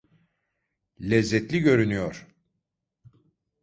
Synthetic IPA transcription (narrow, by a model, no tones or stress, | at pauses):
lʲɛzːɛt̪lʲiɟø̞ɾynyjoɾ̥